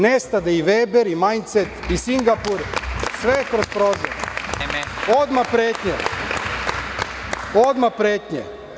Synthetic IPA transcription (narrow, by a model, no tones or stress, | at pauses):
nest̪ad̪aiʋebeɾimajnt̪set̪isiŋɡapuɾsʋekɾospɾoːzoɾ | od̪mapɾeːt̪ɲe | od̪mapɾeːt̪ɲḛ